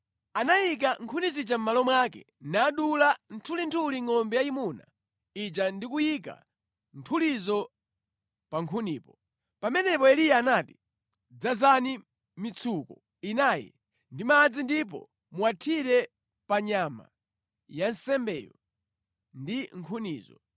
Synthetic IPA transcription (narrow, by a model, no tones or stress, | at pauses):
anajik̬aŋkʰunizit͡ʃam̩malɔmwakɛ̰ | naːɗulantʰulintʰuliŋɔmbɛjaimuna̰ | it͡ʃandik̬ujik̬a̰ | ntʰulizɔ | paŋkʰuniːpɔ | pamɛnɛpɔɛlijaːnati̥ | d͡zazani | mit͡sʰukɔ | inaːjɛ̰ | ndimad͡zindip̬ɔ̰ | muwatʰiɾɛ | paɲama̰ | jansɛmbɛːjɔ̰ | ndiŋ̩kʰuniːzɔ̰